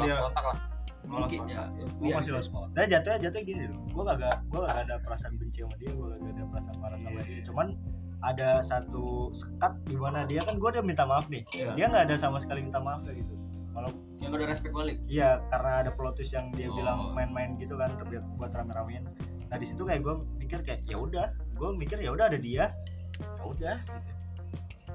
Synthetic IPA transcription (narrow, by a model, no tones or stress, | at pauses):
ljakɔt̪aklah | sɔa̰ | asɪlɔsjad͡ʒat̪uɲad͡ʒat̪uɲaɡiniil | ɡuakaɡaʔɡuakaɡaadapəɾasaːnbəɲt͡ʃimadiaɡuakaɡaadapəɾasanpaɾasaladit͡ʃuman | adasat̪usə̥kat̪̚dimanadiakanɡuadamint̪amaːfnɪhdiaŋɡaːdasamasə̥kalimint̪amaːfkaɡit̪u | kala | aŋadaɾɛspɛk̚balɪkijakaɾənaːdaplot̪ɪsjaŋdiabilaŋmaɪnmaɪnɡit̪ukant̪ərbiat̪̚ɡuat̪əɾamiɾaman | nahdisit̪ukajaʔɡua | mikɪrkajaʔjaudah | ɡuamikɪrjaudaadadia | ja̰udahɡit̪u